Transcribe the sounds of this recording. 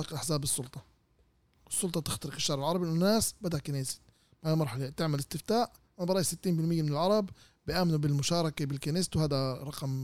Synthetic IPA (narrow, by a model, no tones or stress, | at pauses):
ɑqɪd̪ʔaħzaːbɨsˤːʊlt̪ˤɑ | ɪsˤːʊlt̪ˤɑt̪ɪxt̪ɑɾɪkɪʃːɑːɾˤɪlʕɑɾˤɑbiʔænʊnːaːsbæd̪aʔkaneːsɪ̥t̪ | baʕd̪mɑɾˤħɑlet̪ɪʕmɪlɪst̪ɪft̪aːʔ | ʔanbɾˤɑʔjisɪt̪ːiːnbɪlmɪjːamɪnɪlʕɑɾˤɑb | bɪjʔaːmɪnubɪlmʊʃɑːɾˤɑkabɪlkaneːst̪whaːd̪æɾˤɑqɑm